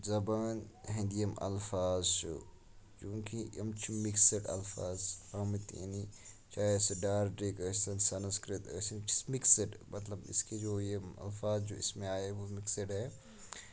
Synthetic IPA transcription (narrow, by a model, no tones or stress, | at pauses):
zɐbaːnɦĩnd̪ijɐmɐ̰lfaːzt͡ʃo̰ | t͡ʃũːkiɐmt͡ʃʰimiksəʈɐ̰lfaːzɐmt̪ḛni | t͡ʃaːesɖaːɾɖɾikəssɐnsɐnskɾɪt̪əsint͡ʃi̥smiksɐʈmʔɐt̪lɐbɪ̰skid͡ʒoːjemɐ̰lfaːzd͡ʒoːɪ̰smẽaːeʋomiksəʈɦɛː